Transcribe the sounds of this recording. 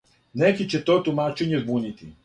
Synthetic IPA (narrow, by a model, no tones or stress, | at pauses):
nɛkit͡ɕɛt̪ot̪umat͡ʃɛɲɛzbunit̪ḭ